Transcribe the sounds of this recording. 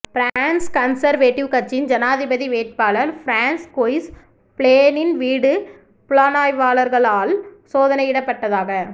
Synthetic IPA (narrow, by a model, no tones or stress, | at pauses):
fɪɾaːnskɐnsɐɾʋeːʈːɪʋkɐɾt͡ʃɪnd͡ʒɐnaːðɪbɐðiʋeːʈ̚paːlɐlfɪɾaːnskoːjs | pɪɭeːnɪnʋiːɽɯ | pʊɭaːnaːjʋaːlɐɾɣɐɭaːlsoːðɐnɐjɪɽɐpːɐʈːɐðaːɣɐ